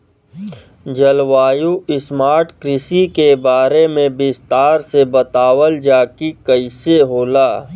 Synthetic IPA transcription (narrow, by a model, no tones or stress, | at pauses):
d͡ʒəlwaːjuɪsmaːɾʈkɾɪsikebaːɾemẽbɪst̪aːɾsebɐt̪aːwəld͡ʒaːkikəɪseɦoːlaː